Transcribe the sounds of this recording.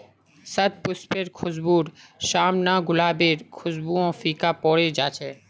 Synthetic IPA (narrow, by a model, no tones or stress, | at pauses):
sət̪̚pʊspeɾkʰʊzbuːɾʃaːmnaːɡʊlaːbeːɾkʰʊzbuːõːfiːkaːpɔːɽeːd͡ʒaːt͡ʃʰeː